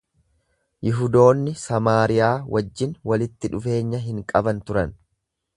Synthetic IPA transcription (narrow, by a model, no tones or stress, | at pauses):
jɪɦʊd̪o̞ːnːɪsɐmaːɾɪjaːwɐd͡ʒːɪnwɐlɪt̪ːɪᶑʊfe̞ːɲːɐɦɪŋkʼɐbɐnt̪ʊɾɐn